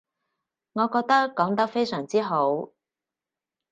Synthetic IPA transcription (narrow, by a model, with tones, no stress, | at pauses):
ŋɔː˨˧kɔː˧k̚t̪ɐ˥kːɔː˨˥ŋt̪ɐ˥k̚fe˥jsœː˨˩ŋt͡siː˥ɦo˨˥w